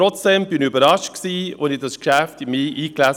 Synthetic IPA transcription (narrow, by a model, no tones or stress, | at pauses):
ɾɔt͡sd̥ɛmbɪnybəɾɑʃt̚ksiːʊndɪdɑskʃæftimiːʔiːklæs